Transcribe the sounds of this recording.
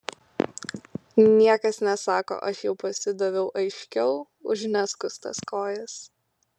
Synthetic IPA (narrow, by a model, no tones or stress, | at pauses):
nʲiɛkɐsnʲɛsɑːko̰ʔɐʃjɛʊpɐsʲɪd̪oʋʲɛʊʔɐɪʃʲkʲɛʊ | ʊ̰ʒnʲæskʊst̪ɐ̰skoːjɛs